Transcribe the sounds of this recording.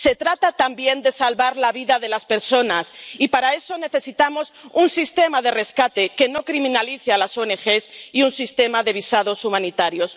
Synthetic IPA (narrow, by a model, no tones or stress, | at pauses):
se̞t̪ɾat̪at̪ambje̞nd̪e̞salβaɾlaβiðaðe̞laspe̞ɾso̞nasipaɾae̞so̞ne̞θe̞sit̪amo̞sunsist̪e̞maðe̞re̞skat̪e̞ke̞no̞kɾimĩnaliθealasoene̞xe̞siunsist̪e̞maðe̞β̞isaðo̞sumãnit̪aɾjo̞s